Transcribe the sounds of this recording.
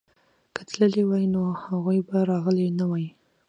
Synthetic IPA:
kət̪ləlewajnohaɣujbaɾɑɣəlenawaji

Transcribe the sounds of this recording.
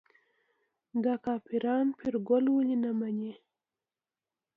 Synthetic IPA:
ɡ̪akɑːpiɾɑːnpʰiɾɡolwulinamaɲe

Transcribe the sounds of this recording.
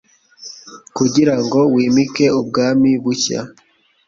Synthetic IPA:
kuɟiɾaŋɡo̞wiːmike̞ub̚ɡaːmiβuça̰

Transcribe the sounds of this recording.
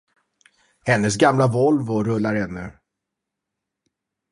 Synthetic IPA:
hɛnːəs̬ɡamlavɔlvɔɾɵlːaɾhɛnːɵ

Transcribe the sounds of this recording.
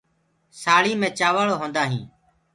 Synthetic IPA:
saːɭiːmẽːt͡ʃaːʋaːɭoːɦõːnd̪aːɦĩː

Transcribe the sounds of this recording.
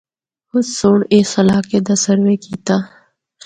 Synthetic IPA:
hʊd̪soːneːsɐlaːked̪ɐsəɾʋekiːt̪aː

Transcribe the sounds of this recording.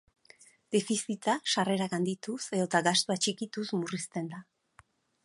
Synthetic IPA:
d̪̥efisit̪aʃare̞ɾaɣand̪it̪use̞ðo̞t̪aɡast̪uat͡ʃikit̪uzmurist̪e̞nd̪a

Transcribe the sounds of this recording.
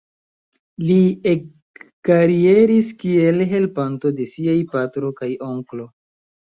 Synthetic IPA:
liekː | aɾie̞ɾiskie̞lɦe̞lpanto̞de̞siajpatɾo̞kajo̞ŋklo̞

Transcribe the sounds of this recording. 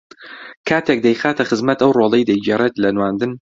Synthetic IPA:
kʰaːt̪ʰek̚d̪ɐjxaːt̪ʰɐxɨzmɐt̪ɐwroːlˠejd̪ɐjd͡ʒeret̪lɐnwaːnd̪ɨn

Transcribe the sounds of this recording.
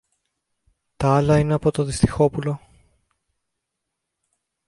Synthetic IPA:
t̪ɐɐlɐine̞ɐpo̞t̪oðist̪i̥xo̞pulo̞

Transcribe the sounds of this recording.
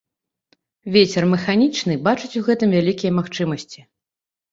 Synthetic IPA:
vʲet͡sʲɛrmɛxanʲit͡ʂnɨbat͡ʂɨt͡sʲuɣɛt̪ɨmvʲalʲikʲijɐmaxt͡ʂɨmɐsʲt͡sʲi

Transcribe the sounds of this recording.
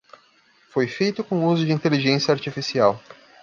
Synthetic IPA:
fojfejt̪ʊkõuzʊd͡ʒɪĩnt̪eliʒẽsjɐaɾt͡ʃifisiaw

